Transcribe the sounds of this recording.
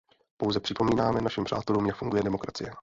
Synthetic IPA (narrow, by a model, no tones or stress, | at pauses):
po̞wzɛpr̥ɪpo̞miːnaːmɛnaʃimpr̥a̰ːt̪ɛluːmjakfuŋɡujɛdɛmo̞kɾat͡sɪ̰jɛ